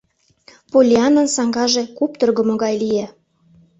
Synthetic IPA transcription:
polʲiɑnənsɑŋɡɑʒekupt̪ɤ̆rɣɤ̆moɣɑjlije

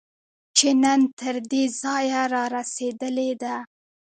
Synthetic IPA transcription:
t͡ʃenənt̪əɾd̪ezɑjaɾɑɾased̪əled̪a

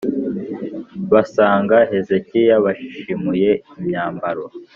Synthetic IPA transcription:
βasaːŋɡahe̞ze̞cijaβaʃi̥ʃimuje̞imɲaːmbaɾo

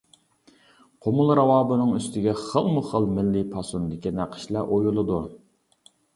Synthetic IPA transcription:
qʰomʊlˠɾɑwɑːbɨnɨŋyst̪ɪɡʲɛχəlˠmʊχəlˠmɪlːɪpʰɑsunɨd̪ɪkʲinæqʰə̥ʃlæʔojulˠɨd̪u

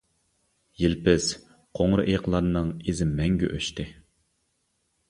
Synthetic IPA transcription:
jilpɪs | qʰoŋɾɨ̰ʔeqlˠɑɾnɨŋezɪmːɛŋɡʲy̰ʔøʃt̪ɪ

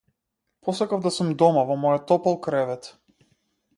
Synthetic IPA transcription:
pʰɔsakavd̪asumd̪ɔmavɔmɔjɔt̪ːɔpalˠkɾɛvɛt̪

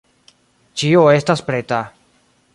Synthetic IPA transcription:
t͡ʃioest̪aspɾet̪a

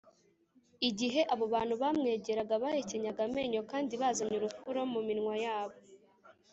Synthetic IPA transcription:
iɟiɦe̞ʔaβo̞βaːn̥huβamŋe̞ːɟe̞ɾaɡaβaːjeceɲaɡame̞ɲo̞kaːndiβazaɲuɾukuɾo̞muminŋwajaːβo̞

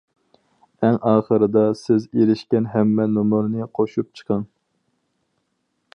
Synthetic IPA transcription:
ɛŋɑːχəɾɨd̪ɑsɪzeɾɪʃkʲɛnɦɛmːɛnomʊɾnɨqʰoʃup̚t͡ʃʰə̥qʰɑŋ

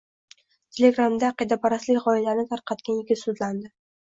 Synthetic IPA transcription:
t̪ʲʰe̞le̞ɡɾamd̪aːqɨd̪apʰaɾaslɪkʲʁɒɪlaɾnɪt̪ʰaɾqʰɑt̪kʲanɪkʲːɪsʊd̪land̪ɪ

